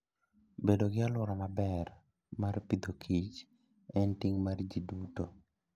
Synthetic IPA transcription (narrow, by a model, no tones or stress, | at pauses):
bedoɡɪalwʊɾɔnabɛr | marpid̪okʰit͡ʃ | ɛntiŋmard͡ʒiduto